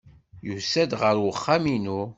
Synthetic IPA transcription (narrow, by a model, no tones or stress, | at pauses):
jusæd̪ʁəɾwəχːaminu